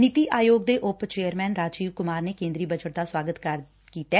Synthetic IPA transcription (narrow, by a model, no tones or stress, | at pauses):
nɪt̪iːʔaːjoːɡd̪eːʔʊpt͡ʃeːəɾmɛːnɾaːd͡ʒiːʋkʊmaːɾneːkẽːnd̪ɾiːbəd͡ʒəʈ̚d̪aːswaːɡət̪kəɾ | kiːt̪ɛː